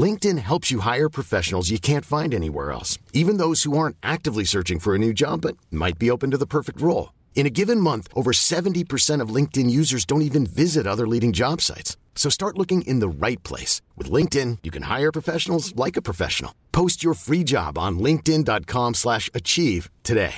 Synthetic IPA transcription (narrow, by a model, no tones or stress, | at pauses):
lɪ̃ŋk̚tɨ̃nɦɛlˠpsjɨɦaɪə˞pʰɹ̥ɨfɛʃn̩l̩ˠzjɨkʰæ̃ntfãɪ̃ndɛnḭwɛ̰ɹɛ̰lˠsivɨ̃nðoʊz̥huɑɹ̃ntʔæk̚tɨvlisɜ˞t͡ʃɪ̃ŋfə˞ɨnʉd͡ʒɑbːʌt̚ma̰ɪt̚b̥ioʊpɨ̃n̩tɨðəpʰɜ˞fɨk̚t̚ɹoʊlˠ | ɨ̃ɾ̃ɨɡɪvɨ̃nmʌ̃nθʔoʊvə˞sɛvɨ̃n̩tipʰə˞sɛ̃ɾ̃ʌvlɪ̃ŋk̚tɨ̃njʉzə˞zdõʊ̃ntivɨ̃nvɪzɨɾʌðə˞liɾɪ̃ŋd͡ʒɑb̥sa̰ɪtsː | oʊstɑɹʔˡlʊkɪ̃ŋʔɪ̃nðəɹaɪt̚pʰl̥ḛɪswɨ̰ðlɪ̃ŋk̚tɪ̃njɨkʰɨ̃nha̰ɪə˞pʰɹ̥əfɛʃn̩l̩ˠzlaɪkɨpʰɹ̥əfɛ̰ʃn̩l̩ˠpʰoʊst͡ʃə˞fɹid͡ʒɑ̰bn̩lɪ̃ŋk̚tɪ̃ndɑt̚kʰɑ̃mslæʃɨt͡ʃʰiv̥tʰɨdeɪ